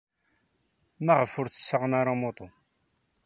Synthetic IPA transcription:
məʁəfʊɾθə̥sːəʁnaɾamot̪ˤo

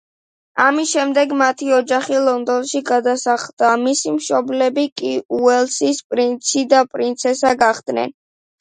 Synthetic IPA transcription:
amisʃɛmd̪ɛɡmat̪ʰiɔd͡ʒaχilˠɔnd̪ɔnʃiɡad̪asaχlˠd̪amisimʃɔblɛbikʼiuɛlˠsispʼɾint̪sʰid̪apʼɾint̪sʰɛsaɡaχd̪̥nɛ̰n

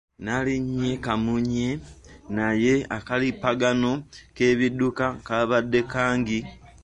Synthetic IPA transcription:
naliɲekamuɲe̞naje̞akalipaɡanoke̞ːβidukakaβadːe̞kaːŋɡi

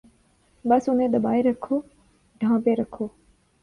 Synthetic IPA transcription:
bəsʊnẽːd̪əɓaːiɾəkʰoː | ɖʱãːpeːɾəkʰoː

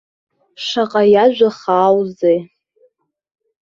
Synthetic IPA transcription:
ʂaqʼajaʒᶣʷaχaːwzej

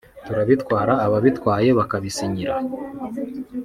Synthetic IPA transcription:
tuɾaβitkwaːɾaːβaβitwaːje̞βakaβisiɲiɾa

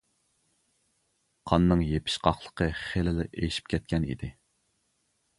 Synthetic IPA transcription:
qʰɑnːɨŋjepʰɪ̥ʃqʰɑχlˠə̥qʰəχelɪlɪʔejʃi̥pkʲʰɛt̪̚kʲɛnḭd̪ɪ

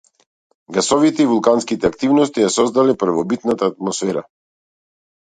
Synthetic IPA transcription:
ɡasɔvit̪ɛivulˠkanskit̪ɛakt̪ivnɔst̪ijasɔzd̪alɛpɾ̩vɔbit̪nat̪aːt̪̚mɔsfɛɾa

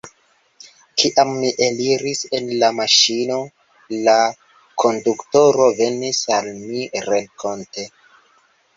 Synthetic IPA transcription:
kiʔamːiʔeliɾisenlamaʃino̞ | la | kʰo̞ndukto̞ɾo̞ve̞nisalmiɾeŋkʰo̞nte̞

